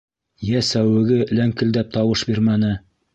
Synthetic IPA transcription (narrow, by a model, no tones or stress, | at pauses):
jæsæwɘ̆ɡɘlæŋkɘ̆ld̪æp̚t̪ɑwɤʃbiɾmænɘ